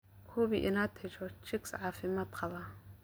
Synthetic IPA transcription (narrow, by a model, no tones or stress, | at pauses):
kʰʊβiʔɪ̰naːt̪ʰɪt͡ʃɔt͡ʃɪksʕɑːfɪmaːd̪qʰɑβa